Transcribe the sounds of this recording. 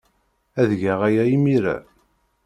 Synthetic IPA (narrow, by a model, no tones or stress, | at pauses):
æðʝæʁæjæimiɾæ̰